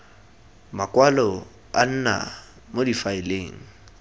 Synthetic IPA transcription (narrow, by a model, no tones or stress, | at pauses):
makʼwalɔ | an̩na̰ | modifaɪleːŋ̩